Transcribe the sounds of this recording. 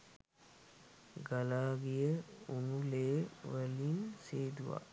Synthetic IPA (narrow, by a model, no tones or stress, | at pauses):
ɡalaːɡijəunuleːʋəlinseːd̪uʋa̰